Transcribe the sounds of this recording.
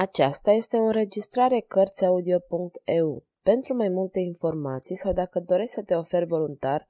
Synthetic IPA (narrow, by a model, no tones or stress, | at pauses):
at͡ʃast̪aje̞st̪e̞unre̞d͡ʒist̪ɾaɾe̞kərt̪sʲaud̪io̞puŋk̚t̪e̞u | pe̞nt̪ɾumajmult̪e̞info̞rmat̪sijsawd̪akəd̪o̞ɾe̞ʃʲsət̪e̞o̞fe̞rʲvo̞lunt̪ar